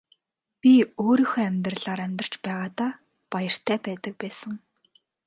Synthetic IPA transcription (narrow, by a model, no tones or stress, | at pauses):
pʲioːɾiːxæmʲt̪rəɮaːɾæmʲt̪ə̆r̥t͡ɕpæːʁaːt̪aː | pajə̆r̥t̪ʰæːpæːt̪ə̆k̚pæːsə̆ŋ